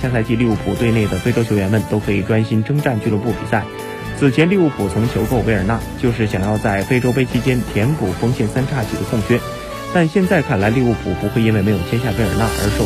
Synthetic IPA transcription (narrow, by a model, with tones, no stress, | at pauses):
ɕja˥˧sʰa˧ɪt͡ɕi˥˧li˥˧u˥˩pʰṵ˨˩t̪we˥˧ɪne˥˩ɪd̪ə˩fe˥ɪʈ͡ʂo˥t͡ɕʰo˧˥ʊɥɛ˧˥nmə˧˨nt̪o˥ʊkʰɤ˧˥i˨˩ʈ͡ʂwa˥nɕi˥nʈ͡ʂɤ˥ŋʈ͡ʂa˥˧nt͡ɕy˥˧lu˥˩p̬u˥˩pḭ˨˩sa˥˩ɪ | t͡sʰɹ̩˨˩t͡ɕʰjɛ˧˥nli˥˧u˥˩pʰu˨˩t͡sʰʊ˧˥ŋt͡ɕʰjo˧˥ʊko˥ʊe˥ɪə˞˨˩na˥˩t͡ɕjo˥˧ʊʂ̬ɻ̩˥˩ɕ̬jɑ˨˩ŋjɑ˥˧ʊt͡sa˥˩ɪfe˥ɪʈ͡ʂo˥ʊpe˥ɪt͡ɕʰi˥t͡ɕjɛ˥nt̪ʰjɛ˧˥nku˨˩fɤ˥ŋɕjɛ˥˩nsa˥nʈ͡ʂʰa˥˩t͡ɕʰi˨˩d̪ə˦kʰʊ˥˧ŋɕɥɛ˥ | t̪a˥˧nɕjɛ˥˧nt͡sa˥˧ɪkʰa˥˩nla˧˥ɪli˥˧u˥˩pʰu˨˩pu˧˥xwe˥˩ɪi˥nwe˥˩ɪme˧˥ɪjo˨˩ʊɛ˥nɕ̬ja˥˩ʋe˧˥ɪə˞˨˩na̰˥˩ʔə̰˞˧˥ʂo˥˩